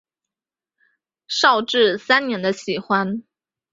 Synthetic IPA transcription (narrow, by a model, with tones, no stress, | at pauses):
ʂɑ˥˧ʊʈ͡ʂɻ̩˥˩sa˥nnjɛ˧˥nd̪ə˧ɕi˨˩xwa˥n